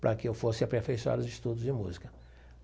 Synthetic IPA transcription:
pɾʔɐkɪewfosɪɐpɾefejsua̰ɾʊzɪst̪ud̪ʊzd͡ʒɪmuzikɐ̥

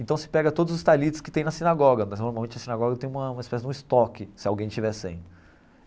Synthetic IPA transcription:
ẽt̪ɐ̃w̃sɪ̥pɛɡɐt̪od̪ʊzʊst̪alit͡ʃɪ̥skɪ̥t̪ẽj̃nɐsinaɡɔɡɐmɐznoɾmawmẽt͡ʃɪɐsinaɡɔɡɐt̪ẽj̃ũmɐũɐispɛsɪd͡ʒũist̪ɔkɪsɪawɡẽj̃t͡ʃivɛsḛ̃j̃

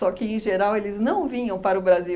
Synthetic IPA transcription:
ɔkɪẽj̃ʒeɾawelɪznɐ̃w̃vĩɲɐ̃w̃paɾʊbɾazi

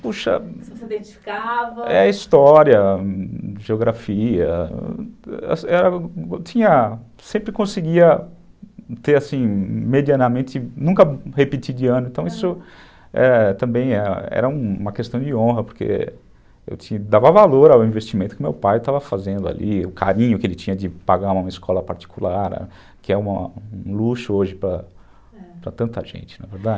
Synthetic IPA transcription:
puʃɐ̰sd̪ẽt͡ʃifi̥kavɐɛist̪ɔɾiɐ | ʒeoɡɾafiɐ̰ | sɛɾɐt͡ʃĩɲɐ | sẽmpɾɪkõsɪɡiɐ | t̪eɾasĩmed͡ʒiɐnɐmẽnt̪ɪnũkɐhepit͡ʃid͡ʒɪɐ̃nʊẽt̪ɐ̃w̃isʊ | ɛ̰t̪ɐ̃mbẽj̃ɛɐɛ̰ɾɐũmɐkest̪ɐ̃w̃d͡ʒɪõɦɐpoɾkḛ | ḛwt͡ʃĩɐd̪avɐvaloɾawĩvest͡ʃimẽnt̪ʊ̥kɪʊmewpajt̪avɐfazẽnd̪ʊa̰lʔḭʊkʰa̰ɾĩɲʊkɪelɪt͡ʃĩɲɐd͡ʒɪpaɡaũũmɐiskɔlɐpaɾt͡ʃi̥kulaɾ̰ | kɪɛũmɐũluʃʊoʒɪpɾɐ | pɾɐt̪ɐ̃nt̪ɐʒḛ̃nt͡ʃɪ̥nɐveɾd̪ad͡ʒ

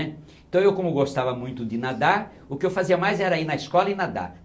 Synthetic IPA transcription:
ɛ | ẽt̪ɐ̃w̃ewkõmʊɡost̪avɐmũj̃t̪ʊd̪ɪnad̪a | ʊkɪewfaziɐmajzɛɾɐinɐiskɔlɐɪnad̪a̰

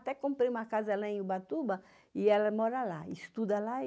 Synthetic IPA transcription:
t̪ɛkõmpɾeũmɐkazɐlaẽubat̪ubɐ | iɛlɐmɔɾɐlaist̪ud̪ɐla

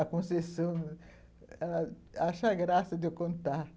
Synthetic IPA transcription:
akunseson | a | aʃaɡɾasad̪okont̪a

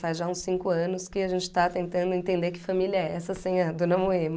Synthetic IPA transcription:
fajzʒaũsĩŋkʊɐ̃nʊskɪaʒẽnt͡ʃɪ̥t̪at̪ẽnt̪ɐ̃nd̪ʊẽnt̪ẽnd̪ekɪfamiliɐɛsɐsĩɲɐd̪onɐmoem

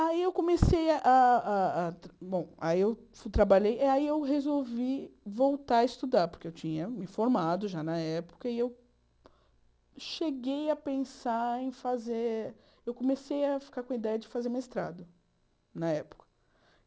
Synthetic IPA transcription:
aiewkõmesejɐʔaaat̪bõw̃a̰iew | ft̪ɾabaʎejiaiewɦezowvivowt̪aɐɪst̪ud̪aɾpʊɾkeewt͡ʃĩɲɐmɪfoɾmad̪ʊʒanɐɛpʊ̥kɐiew | ʃeɡejɐpẽsaẽj̃faze | ewkõmesejɐfi̥kaɾkõid̪ɛjɐd͡ʒɪfazeɾumiɪst̪ɾa̰d̪ɐ | nɐɛpʊ̥kɐ̥

